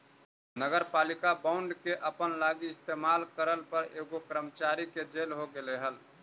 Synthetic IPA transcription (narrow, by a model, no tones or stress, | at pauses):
nəɡəɾpaːlikabaʊɳɖkeʔəpənlaɡiɪst̪emaːlkəɾəlpəɾeɡokɾəmət͡ʃaɾiked͡ʒelɦoɡeleɦəl